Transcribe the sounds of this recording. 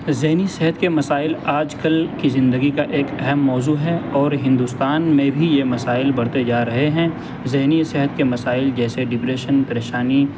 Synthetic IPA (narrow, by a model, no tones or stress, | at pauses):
zeɦniseɦət̪kemɐsaːɪlaːd͡ʒkɐlkizɪ̃nd̪əɡikaʔeːkɛɦɛmːɔːzuɦɛɔːɾɦɪ̃nd̪uːst̪aːnmẽbʱijemɐsaːɪlbɐɾt̪ed͡ʒaːɾɐɦeɦɛ̃ | zeɦniseɦət̪̚kemɐsaːɪld͡ʒɛːseɖɪpɾeːʃənpɐɾeːʃaːni